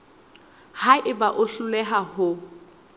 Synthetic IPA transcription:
haʔɪbaʔʊɬʊlɛɦahʊ

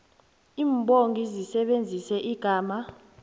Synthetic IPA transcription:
iːmbʱʼoŋɡʱizisɛɓend͡zʱisɛʔiɡ̥ʱaːma

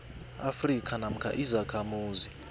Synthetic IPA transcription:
afrikʰʼanam̩kʰa̰ʔizakʰamuːzi

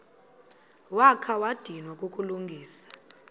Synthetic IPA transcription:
wakʰawad̥ʱinwakʼukʼuluŋɡʱiːsḁ

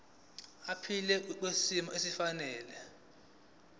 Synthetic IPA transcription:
apʰilɛk̬wesimɔʔesifanɛːlɛ

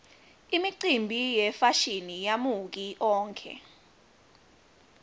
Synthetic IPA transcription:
imiǀimbʱijɛfaʃinijamuk̬iʔɔːŋkʰɛ̰

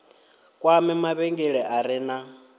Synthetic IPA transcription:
kʼwamɛmaβɛŋɡɛɺɛʔaɾɪna

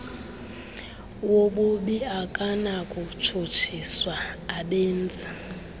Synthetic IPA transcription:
woɓuɓiakʼanakʼut͡ʃʰot͡ʃʰiswaːɓeːnd͡zʼa

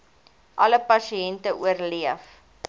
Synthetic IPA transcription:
ʔɐləpɐsiɛntəʔuərliəf

